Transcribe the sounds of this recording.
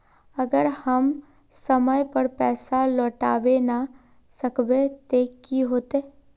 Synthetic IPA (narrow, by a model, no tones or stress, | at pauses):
əɡəɾhəm | səməjpəɾpɛːsalɔːʈaːʋena | səkbet̪ekiɦoːt̪eː